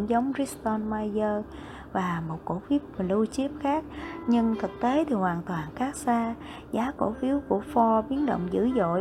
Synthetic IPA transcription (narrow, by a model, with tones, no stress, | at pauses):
ŋzə˨˦wŋ͡mzi˦˥st̪ɔ˧nmaː˧jzəː˧ | vaː˨˩mo˨˩t̚ko˧˩fi˦˥əp̚lu˧t͡ɕi˦˥əp̚xaː˦˥k̚ɲɨ˧ŋt̪ʰɨ˨˩k̚t̪e˨˦t̪ʰi˨˩hwaː˨˩nt̪waː˨˩nxaː˦˥k̚saː˧ | zaː˨˦ko̰˧˩fi˨˦əwku˧˩əfɔ˧ɓi˨˦ənɗo̰˧˨wŋ͡mzɨ̰˧˩zo̰˧˨